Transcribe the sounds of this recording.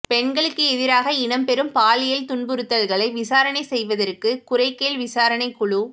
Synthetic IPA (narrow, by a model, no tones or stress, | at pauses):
pɛɳɡɐɭɯkːɯɛðɪɾaːɣɐɪnɐmpɛɾɯmpaːlɪjɐlt̪ʊɳbɯɾɯt̪ːɐlɣɐɭɐɪʋɪsaːɾɐnɐɪsɛjʋɐðɐrkɯkʊɾɐɪkːeːlʋɪsaːɾɐnɐɪkːʊɭu